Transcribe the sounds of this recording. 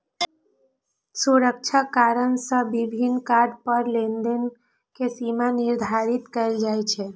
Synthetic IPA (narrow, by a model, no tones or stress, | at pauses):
suɾək̚t͡ʃʰakaɾənsə̃bibʱinkaɾɖpəɾlend̪ən | kesimaniɾd̪ʱaɾit̪kəɪld͡ʒajt͡ʃʰɛ